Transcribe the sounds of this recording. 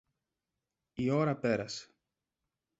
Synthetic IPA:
io̞ɾɐpe̞ɾɐse̥

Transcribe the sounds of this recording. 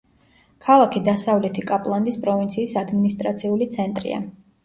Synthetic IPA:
kʰalˠakʰid̪asavlɛt̪ʰikʼapʼlˠand̪ispʼɾɔvint̪sʰiːsad̪minist̪ʼɾat̪sʰiulit̪sʰɛnt̪ʼɾḭa̰

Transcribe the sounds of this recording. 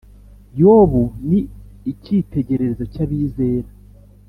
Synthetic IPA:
joβuniicite̞ɟe̞ɾe̞ɾezocaβiːze̞ːɾa

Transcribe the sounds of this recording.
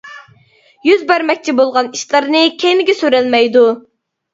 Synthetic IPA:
jyzbæɾmɛk̚ʲt͡ʃʰibolˠʁɑniʃlˠɨɾnɨkʲʰenɪɡʲɛsyɾælmɛjd̪u

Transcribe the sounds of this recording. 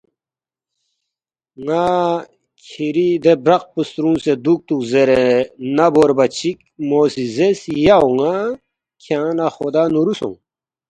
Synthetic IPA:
ŋa | kʰiɾid̪ebɾɐq̚pust̪ɾũnsed̪uk̚t̪ukzeɾenaboɾbɐt͡ɕʰik | moːsizesjauŋa | kʰjãːnaxod̪aːnuɾusõ̰ŋ

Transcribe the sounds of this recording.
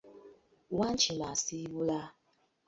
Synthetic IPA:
wan̩t͡ʃimasiwula

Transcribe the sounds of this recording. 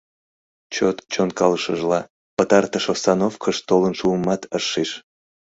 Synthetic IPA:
t͡ɕot̪t͡ɕonkɑləʃəʒlɑ | pət̪ɑrt̪əʃosɑnofkʰəʃt̪olənʃuəmɑt̪əʃːeʃ

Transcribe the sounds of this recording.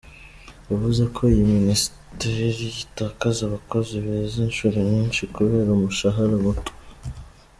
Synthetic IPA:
uβuzekʰo̞ijiminis | teɾiɾijitakazaβako̞ziβezinʃuːɾiɲɲiːnʃikuβe̞ːɾaumuʃaɦaɾamutu̥

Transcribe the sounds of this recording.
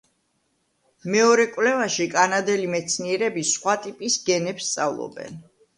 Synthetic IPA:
mɛɔɾɛkʼwvlɛvaʃikʼanad̪ɛlimɛt̪sʰniɛɾɛbisχwat̪ʼipʼisɡɛnɛpst̪sʼavlˠɔ̰bɛ̰n

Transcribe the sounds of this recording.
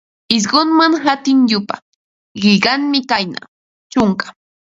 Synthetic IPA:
ɪs̬ɢonmaŋɦat̪ɪŋʎʊpa̰ | ɢɪʎɢɑŋmɪkajna̰ | t͡ʃʊŋkḁ

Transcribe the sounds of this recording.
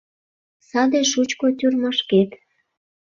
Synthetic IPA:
sɑd̪eʃut͡ɕkot̪ʲyrmɑʃket̪

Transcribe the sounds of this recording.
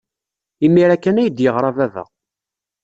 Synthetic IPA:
imːiɾækːænæjəd̪jəʁɾˤɑvævə̰ʁ

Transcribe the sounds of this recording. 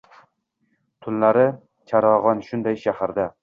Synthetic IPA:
t̪ʰʊllaɾɪ | t͡ʃʰaɾɒʁɒnʃʊnd̪ajʃahaɾd̪a

